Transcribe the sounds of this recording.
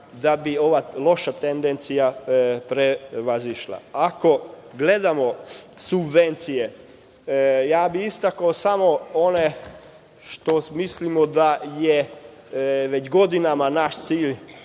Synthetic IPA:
d̪abio̞ʋalo̞ʃat̪end̪ent̪sijapɾeʋaziʃlˠa̰ako̞ɡle̞d̪amosubʋent̪sije | jaːbiist̪akaosamoone | ʃt̪omislimod̪aje | ʋet͡ɕɡo̞d̪inamanaʃt̪siːʎ

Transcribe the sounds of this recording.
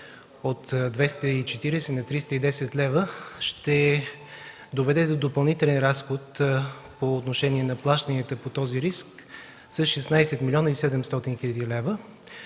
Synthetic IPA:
ot̪d̪vɛst̪əit͡ʃɛt̪iɾɛsɛnɐt̪ɾist̪əid̪ɛsɛt̪lɛvəʃt̪ɛ | d̪ovɛd̪ɛd̪od̪opəlˠnit̪ɛlɛnɾasxot̪ | poːt̪noʃɛniɛnɐplˠaʃt̪əniət̪əpot̪ɔziɾisk | səsʃɛsnajsɛt̪milʲɔnəisɛd̪ɛmst̪ɔt̪inxʲilʲəd̪ilɛvə

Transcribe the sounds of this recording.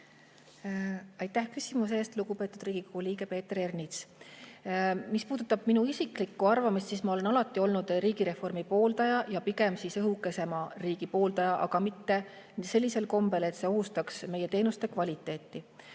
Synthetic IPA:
ɑjt̪ːˑæhkysʲimus̬e̞ːst̪luɡ̥upe̞ːt̪ːˑud̪̥riːɡ̥ikoɡuliːɡ̥e̞pe̞ːt̪ːrernit̪s | mispuːd̪ut̪ːˑɑb̥minuisiklikːuɑrvɑmist̪siːsmɑo̞le̞nɑlɑt̪ːˑio̞lnud̪̥ɾiːɡ̥iɾe̞fo̞rmipo̞ːld̪ɑjɑjɑpiɡe̞msisɤɦukːˑe̞se̞mɑriːɡ̥ipo̞ːld̪ɑjɑʔɑɡ̥ɑmit̪ːe̞ | se̞lʲːise̞lko̞mbe̞le̞t̪se̞o̞ɦust̪ɑksme̞je̞t̪e̞ːnust̪e̞kvɑlʲit̪ˑːe̞ːt̪ːi

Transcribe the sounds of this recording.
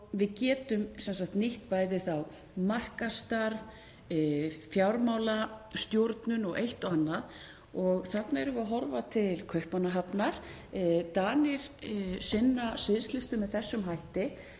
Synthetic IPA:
vɪðcɛːt̪ʏmsɛnsakt̪niht̪̚paːjðɪθaw | mar̥kast̪aɾv | fjawɾmawlast̪jowɾt̪nʏnɔɣʔejht̪ɔɣanːað | ɔɣθat̪naɛɾʏvʏaɦɔɾvat̪ʰɪlkʰœɥhpanaɦapnaɾ̥ | t̪aːnɪɾ̥sɪnːasɪðslɪst̪ʏmɛðθɛsːʏmɦajht̪ɪ

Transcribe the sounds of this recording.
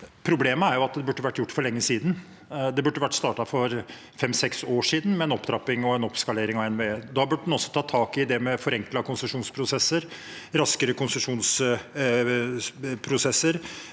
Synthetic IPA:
pʰɾʊbleːməæɾjʊɑt̪̚d̪ɛbʉʈːəʋæʈːjʊʈːfɔɭɛŋːəsiːd̪n | d̪ɛbʉʈːəʋæʈːst̪ɑːʈɑfɔɾ | fɛmːsɛksoːʂiːd̪n̩mɛɛnɔpːd̪ɾɑpːɪŋɔɛnɔpskɑleːɾɪŋɑʋɛnʋeːd̪ɑːbʉʈːəd̪ɛnɔsːɔ̥t̪ʰɑːt̪ʰɑːkɪd̪ɛmɛfɔɾɛŋklɑkʊnsəʂuːnspʰɾʊsɛsːəɾ | ɾɑskəɾəkʰʊnsəʂuːns | pʰɾʊsɛsːəɾ

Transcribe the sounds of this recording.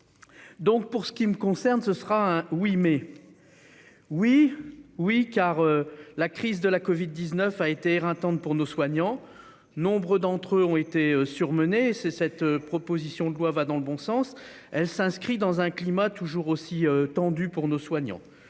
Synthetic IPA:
d̪ɔ̃k̚puʁsə̥kʲiməkɔ̃sɛʁnsəsəʁaɛ̃wime | wiwikaʁølakχizd̪əlakɔvid̪ːiznœfaet̪eːʁɛ̃t̪ɑ̃t̪̚puʁnoswaɲɑ̃ | nɔ̃bʁød̪ɑ̃t̪χøɔ̃et̪eøsyʁmənesesɛt̪øpχɔpozisjɔ̃d̪əlwavad̪ɑ̃ləbɔ̃sɑ̃s | ɛlsɛ̃skχid̪ɑ̃zɛ̃klimat̪uʒuʁosiøt̪ɑ̃d̪ypuʁnoswaɲɑ̰̃

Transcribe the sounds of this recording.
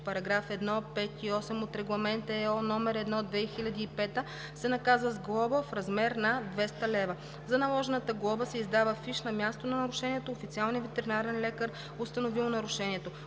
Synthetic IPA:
pɐɾɐɡɾafɛd̪nɔpɛt̪iɔsɛmot̪ɾɛɡlˠɐmɛnt̪əɛɔnɔmɛɾɛd̪nɔd̪vɛxilʲɐd̪iːpɛt̪ə | sɛnɐkazvəzɡlˠɔbəfɾɐzmɛɾnɐd̪vɛst̪əlɛvɐ | zɐnɐlˠɔʒɛnət̪əɡlˠɔbəsɛizd̪avəfiʃnɐmʲjast̪onɐnɐɾʊʃɛniɛt̪oːfit̪sialˠnijəvɛt̪ɛɾinaɾɛnlɛkəɾ | ost̪ɐnovilˠnɐɾʊʃɛniɛt̪o

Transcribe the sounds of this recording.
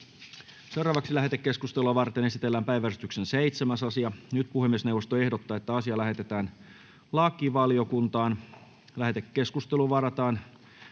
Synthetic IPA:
se̞wrɑːʋɑksilæɦet̪ekːe̞skust̪eluɑʋɑrt̪ene̞sit̪elːæːmpæjʋærst̪yksenseit̪semæsɑsiɑnyt̪puhemːiesne̞wʋost̪oe̞hdot̪ːɑːet̪ːæɑsiɑlæɦe̞t̪et̪æːn | lɑːkːiʋɑlio̞kunt̪ɑːn | læɦet̪ekːe̞skust̪eluʋɑɾɑt̪ɑːn

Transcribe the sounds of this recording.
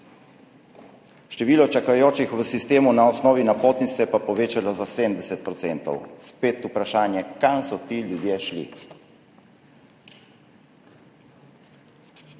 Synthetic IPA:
ʃt̪ɛʋiːlɔt͡ʃakajoːt͡ʃixʋəsist̪eːmunaɔsnɔːʋinapoːt̪nit̪sɛpapɔʋeːt͡ʃalɔzasemd̪ɛsɛt̪̚pɾɔt̪seːnt̪ɔ̰wspeːt̪upɾaʃaːnjɛkansɔt̪iljud̪jeʃlḭ

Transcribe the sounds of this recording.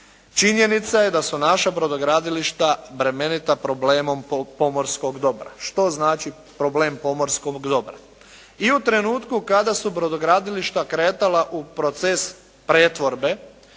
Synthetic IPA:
t͡ʃiɲje̞nit̪sajed̪asunaʃabɾod̪oɡɾaːd̪iliʃt̪abɾe̞me̞nit̪apɾo̞bleːmo̞mpo̞mo̞ɾsko̞ɡd̪o̞bɾa̰ʃt̪o̞znaːt͡ʃi | pɾo̞bleːmpo̞mo̞ɾskoɡd̪o̞bɾa̰ | iut̪ɾe̞nuːt̪kukad̪asubɾod̪oɡɾaːd̪iliʃt̪akɾeːt̪alaʔupɾo̞t̪ses | pɾeːt̪ʋo̞ɾbe̞

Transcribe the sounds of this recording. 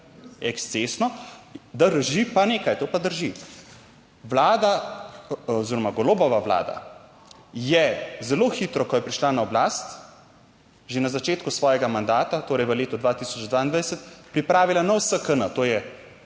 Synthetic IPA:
ɛkst̪sesnɔd̪əɾʒipaneːkajt̪oːpad̪əɾʒi | ʋlaːd̪a | oziɾɔmaɡoloːbɔʋaʋla̰ːd̪a̰ | jɛzɛloːxit̪ɾɔkɔjɛpɾiʃlanaɔblaːst̪ | ʒenazat͡ʃeːt̪kusʋɔːjɛɡamand̪aːt̪at̪oːɾɛjʋəleːt̪ud̪ʋat̪isɔt͡ʃd̪ʋaːind̪ʋajsət̪pɾipɾaːʋilanawsəkənət̪oːjɛ

